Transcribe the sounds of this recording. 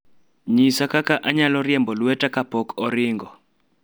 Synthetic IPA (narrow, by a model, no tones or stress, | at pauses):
ɲisakakaʔaɲalɔɾɪjɛmbɔlwɛtakapɔkʰɔɾɪŋɡɔ